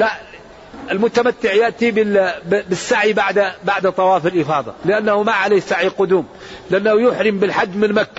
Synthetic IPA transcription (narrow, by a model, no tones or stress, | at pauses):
laʔ | ʔɪlmʊt̪amat̪ːɪʕjaʔt̪ibɪbɪsːaʕibaʕd̪baʕd̪t̪ˤːɑwɑːfɪlʔɪfɑːðˤɑ̰lɪʔanːahʊmaʕaleːhsaʕiqʊd̪uːm | lɪʔanːahʊjʊħɾɪmbɪlħad̪ːmɪnmakːa